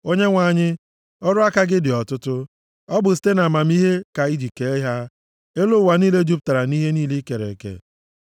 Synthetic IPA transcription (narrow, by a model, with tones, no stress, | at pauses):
o˦ɲe˦ŋʷa˨ɲɪ˦ | ɔ˦ɾʊ˦a˦ka˦ɡɪ˦dɪ˨ɔ˨tʊ˦tʊ˦ | ɔ˦bʊ˨s̬i̥˨˦te˦na˨ma˨m̩˦i˦ɦe˦ka˨i˦d͡ʒi˨ke˨e˦ɦa˦ | e˦lʊ˦˨wa˨niː˦le˦d͡ʒu˦p̚ta˨ɾa˨ni˦ɦe˦niː˦li˦ke˨ɾḛ˨kḛ˨